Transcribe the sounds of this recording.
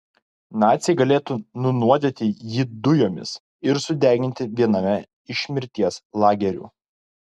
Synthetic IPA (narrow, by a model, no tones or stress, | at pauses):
nɑːt̪sʲɛɪɡɐlʲeːt̪uːnʊnuɔd̪ʲeːt̪ʲɪjiːd̪ʊjoːmʲɪ̰s | ɪɾsʊd̪ʲæˑːɡʲɪnʲt̪ʲɪʋʲiɛnɐmʲɛ | ɪʃʲmʲɪɾʲt̪ʲiɛslˠɑːɡʲɛɾʲṵː